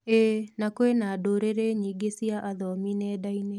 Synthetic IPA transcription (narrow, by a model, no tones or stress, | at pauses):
enakwenadoɾeɾeɲiɡesiaʔaðɔminɛːdaine